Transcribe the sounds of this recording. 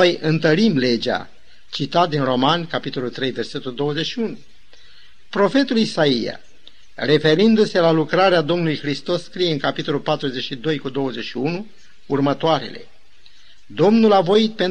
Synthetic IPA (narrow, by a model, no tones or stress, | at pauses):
ojɨnt̪əɾimle̞d͡ʒa̰ | t͡ʃit̪at̪̚d̪inro̞mankapit̪o̞lult̪ɾe̞jve̞rse̞t̪uld̪o̞wəze̞ʃiunu | pɾo̞fe̞t̪ulisaia̰ | re̞fe̞ɾind̪use̞lalukɾaɾead̪o̞mnulujxɾist̪o̞sːkɾije̞ɨŋkapit̪o̞lulpat̪ɾuze̞ʃid̪o̞jkud̪o̞wəze̞ʃiunu | urmət̪oaɾe̞̰le̞̰ | d̪o̞mnulavo̞it̪̚pe̞n